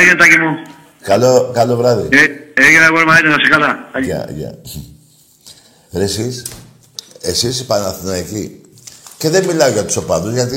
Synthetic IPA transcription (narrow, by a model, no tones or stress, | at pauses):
jent̪akimo | kalokaloβɾaðḭeeɣenaɣwoɾmaet̪asekalaaa̰ʝa̰ | ɾesis | esispanaθnaeki | keðemilawʝat̪u̥sopaðuzʝat̪i